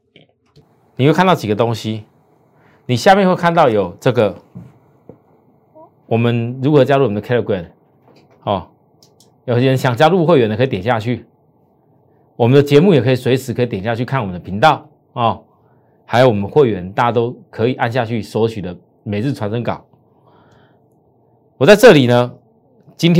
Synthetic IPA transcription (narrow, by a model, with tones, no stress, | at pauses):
ni˨˩we˥˧kʰa˥˧nt̪ɑ˥˩t͡ɕi˨˩ɡə˩˦t̪o˥ŋɕi˦ | ni˨˩ɕja˥˧mjɛ˥˧nxwe˥˧kʰa˥˧nt̪ɑ˥˩ʊjo˨˩ʊʈ͡ʂɤ˥˩ɡə˨ | wɔ˨˩mə˨˦nɻu˧˦˥xɤ˧˥t͡ɕja˥lu˥˨wmənəkʰɛ˥ɾə˨˩kwɛ˨˩n | ɔ˥˩ | jo˨˩ʊ˥ɻə˧˦nɕjɑ˨˩ŋt͡ɕja˥lu˥˧xwe˥˩ɥɛ˧˦nd̪ə˧˩kʰːt̪ɛ˨˩nɕja˥˧t͡ɕʰy˥˩ | wɔ˨˩mə˨nd̪ə˧t͡ɕjɛ˧˥mu˥˩jɛ˨˩kʰɤ˧˥i˨˩swe˧˥ɪʂɻ̩˧˥kʰɤ˧˥˨t̪jɛ˨˩nɕja˥˧t͡ɕʰy˥˧kʰa˥˩˨wmə˨nd̪ə˩pʰi˧˥ŋt̪ɑ˥˨ʊ | ɔ˥˩ | ha˧˥ɪjo˧˩ʊwɔ˨˩ə˨˩n˦xwe˥˩ɪɥɛ˧˦nt̪a˥˩t͡ɕja˧t̪o˦ʊkʰɤ˧˦˥i˨˩ʔa˥˧nɕ̬ja˥˧t͡ɕʰy˥˩swɔ˧˥t͡ɕʰy˨d̪ə˦ | me˨˩ɪt͡s̩˥˩ʈ͡ʂʰwa˧˥nʂə˦˥ŋkɑ̰˨˩˦ʊ | wɔ˨˩t͡sa˥˧ɪʈ͡ʂɤ˥˩li˨˩nə˦ | t͡ɕi˥nt̪ʰ